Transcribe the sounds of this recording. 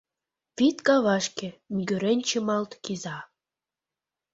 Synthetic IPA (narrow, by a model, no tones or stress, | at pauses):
pit̪kɑβɑʃkĕmyɡøɾenʲt͡ɕĕmɑlt̪kizɑ